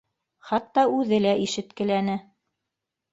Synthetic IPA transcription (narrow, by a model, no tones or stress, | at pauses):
χɑt̪ːɑʉðɘlæʔiʃɘ̆t̪kɘ̆lænɘ